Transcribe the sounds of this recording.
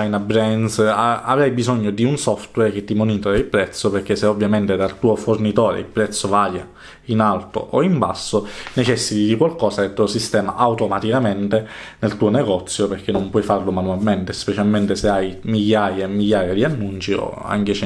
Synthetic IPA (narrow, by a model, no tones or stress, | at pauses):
ajnabɾɛnsaa̰vɾajbizoɲːod̪iunsɔft̪wɛrk̟et̪ːimonit̪oɾailpɾɛt̪sːoperk̟ːesːeovːjament̪ed̪alt̪uːofornit̪oːɾḛilpɾɛt̪sːovaːja | inalt̪o̰ʔoimba̰sːonet͡ʃɛsːit̪id̪ikwalkɔːsaelt̪ːuosist̪ɛːma̰ʔawt̪omat̪ikament̪enelt̪uːoneɡɔt̪sːjoperk̟enːompwɔjfarlomanualment̪espet͡ʃalment̪eseajmiʎːaːjamːiʎːaːjad̪ianːunt͡ʃio̰a̰ŋk̟et͡ʃ